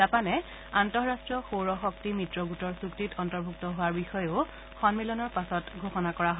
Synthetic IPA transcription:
zapanɛ | antɔɹastɹɔxoɹɔxɔk̚timitɹɔɡutɔɹsuktitɔntɔɹbʱuk̚tɔɦoʊaɹbixɔjʊ | xɔnmilɔnɔɹpasɔtɡʱoxɔnakɔɹaɦɔ

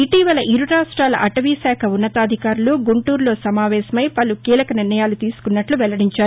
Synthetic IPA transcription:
iʈiːʋɐlɐʔiɾuɾaːʂʈɾaːlɐʔɐʈɐʋisaːkʰɐunːɐt̪aːd̪ʱikaːɾuluɡuɳʈuːɾlo̞ːsɐmaːʋɛːsɐmɐjpɐlukiːlɐkɐniɾnɐjaːlut̪iːsu̥kunːɐʈluʋɛlɐɽiɲt͡ʃaːɾu

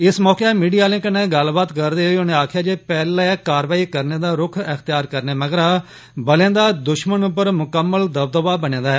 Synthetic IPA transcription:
ɪsmɔːkeːmiːɖijaːlɪ̃ŋknẽːɡəlbaːt̪kəɾd̪eːɦoonẽːaːkʰjaːd͡ʒeːpɛːlːkaːɾʋaːiːkəɾneːd̪aːɾʊkʰəxt̪ɪjaːɾkəɾneːməɡəɾaː | bəlẽːd̪aːd̪ʊʃmənʊp̬əɾmʊkəmːəld̪əb̚d̪əʋaːbənẽːd̪aːɦɛː

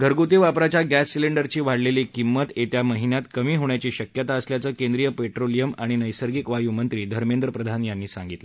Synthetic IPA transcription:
ɡʱəɾɡut̪iʋapɾat͡ɕjaɡæsːileɳɖəɾt͡ɕiːʋaɽleliːkimːət̪et̪jaməɦinjat̪kəmiːɦoɳjat͡ɕiːɕəkjət̪aəsljat͡səːkẽnd̪ɾijəpeʈɾolijəmaɽ̃inəjsəɾɡikʋajumənt̪ɾiːd̪ʱəɾmẽnd̪ɾəpɾəd̪ʱanjanːiːsã̰ŋɡit̪lə

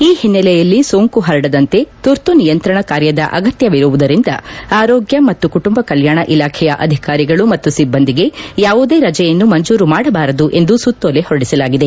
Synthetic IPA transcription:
iːhinːɛlɛjɐlːiso̞ːŋkuɦɐɾɐɽɐd̪ɐnt̪e̞t̪uɾt̪unijɐnt̪ɾɐɳɐkaːɾjɐd̪ɐ̰ʔɐ̰ɡɐt̪jɐʋiɾuʋud̪ɐɾind̪ɐ̰aːɾoːɡjɐmɐt̪ːukuʈumbɐkɐljaːɳɐʔilaːkʰɛjɐʔɐd̪ʱikaːɾiɡɐɭumɐt̪ːusibːɐnd̪iɡe̞jaːʋud̪e̞ːɾɐd͡ʒɛjɐnːumɐɲd͡ʒuːɾumaːɽɐbaːɾɐd̪uʔe̞nd̪usut̪ːoːle̞hoɽisɐlaːɡid̪e

